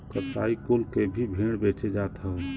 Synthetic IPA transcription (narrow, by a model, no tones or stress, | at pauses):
kətaːikʊlkebʱibʱiːɽbet͡ʃed͡ʒaːt̪ɦa